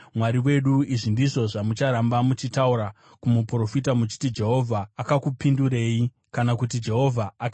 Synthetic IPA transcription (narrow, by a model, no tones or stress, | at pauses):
mwaɾiwe̞ɗuiʐindiʐo̞ʐamut͡ʃaɾambamut͡ʃitauɾa | kumupro̞fitamut͡ʃi̥tid͡ʒe̞ɦo̞vʱaːkakupinduɾe̞ːi | kanakut̬id͡ʒe̞ɦo̞vʱaːk